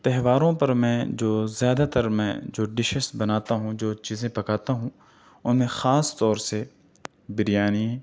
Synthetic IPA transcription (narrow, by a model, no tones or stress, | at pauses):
t̪ɛɦʋaːɾõpɐɾmɛ̃ːd͡ʒoːzjaːd̪at̪ɐɾmɛ̰̃ːd͡ʒoːɖɪʃəsbɐnaːt̪aɦũd͡ʒoːt͡ʃiːzẽpɐkaːt̪aɦũ | ʊnmẽxaːst̪ɔːɾse | bɪɾijaːniɛ